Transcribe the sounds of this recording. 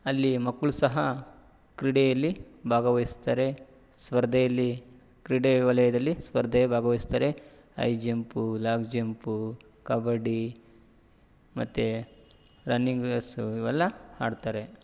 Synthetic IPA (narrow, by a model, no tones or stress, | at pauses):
ɐlːimɐkːɭusɐɦɐ | kɾiɽejɐlːibʱaːɡɐʋɐjst̪aːɾe̞ | sʋɐɾd̪ʱɛjɐlːi | kɾiɽeʋɐlɐjɐd̪ɐlːisʋɐɾd̪ʱɐjɐbʱaːɡɐʋɐist̪aːɾe̞ | ɐ̰jd͡ʒempulaːkd͡ʒempu | kɐbɐɖi | mɐt̪ːe | ɾɐnːiŋɡesiʋɛlːɐa̰ːɖt̪aːɾe̞